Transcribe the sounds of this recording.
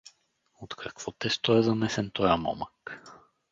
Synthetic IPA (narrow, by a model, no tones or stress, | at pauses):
ot̪kʰakv̥ɔt̪ɛst̪ɔɛzanɛsɛnt̪ɔjamɔ̰mak